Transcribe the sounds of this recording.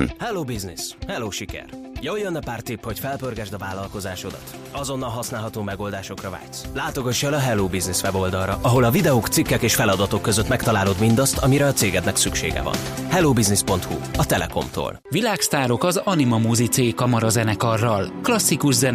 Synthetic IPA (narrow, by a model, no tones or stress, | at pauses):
hɛloːbiznishɛlːoːʃikɛ̰r | jojːonːɛpaːrt̪ipho̞cfɛlpørɡɛʒd̪ɒvaːlɒlko̞zaːʃo̞d̪ɒt̪ | ɒzo̞nːɒlɦɒsnaːlɦɒt̪oːmɛɡo̞ld̪aːʃo̞krɒva̰ːct̪slaːt̪o̞ɡɒt͡ʃːɛlɒɦɛloːbiznisʋɛbo̞ld̪ɒlrɒʔɒɦo̞lɒvid̪ɛoːkt̪sikːɛkeːʃfɛlɒd̪ɒt̪o̞kːøzøt̪mɛkt̪ɒlaːlo̞d̪mind̪ɒst̪ɒmiɾɛɒt̪seːɡɛd̪nɛksykʃḛːɡɛ̰vɒ̰nhɛloːbiznispo̞nt̪huɒt̪ɛlɛ̰ko̞̰mt̪o̰ːlʋilaːkst̪aːɾo̞kɒzɒnimɒmuːzit̪seːkːɒmɒɾɒzɛnɛkɒrːɒlklɒsːikuʒzɛn